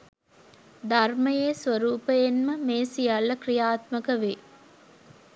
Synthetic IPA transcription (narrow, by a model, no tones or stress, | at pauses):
d̪arməjeːsʋɐɾuːpəjenməmeːsijalːɐkrijaːt̪məkəʋeː